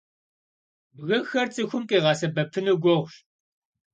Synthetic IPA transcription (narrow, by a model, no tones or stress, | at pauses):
bɣɨxɐrt͡sʼɨxʷʊmqʼeːʁɑːsɐbɐpʰːɨnɨɡʷɔʁʷʃ